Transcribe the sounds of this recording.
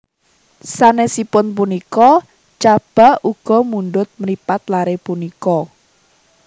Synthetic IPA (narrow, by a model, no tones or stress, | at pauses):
sanesipʊnp̬unikɔ | t͡ʃab̥a̤uɡ̥ɔ̤munɖʊt̪̚məɾipat̪̚laɾepunikɔ